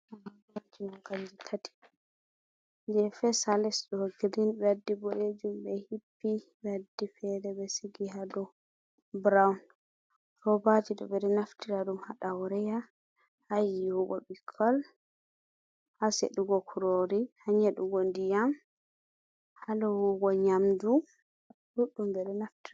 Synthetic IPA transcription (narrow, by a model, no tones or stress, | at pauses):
aɾabad͡ʒiwɔɡald͡ʒitʰati̥ | d͡ʒɛfɛsalɛsɗɔɡɾinbɛadːibɔʔed͡ʒumbɛhipːi | badːifɛɾɛbɛsiɡiɦadɔ | bɾawn | ɾɔbad͡ʒiɗɔ̰bɛɾɛnaftiɾaɗumhaɗawɾɛja | hajiwuɡɔ̰bikʰːɔl | hasḛɗuɡɔkʰuɾoɾihaɲaɗuɡondijam | halɔwuɡɔɲamd͡ʒu | huɗːumbɛɾɛnaftiɾa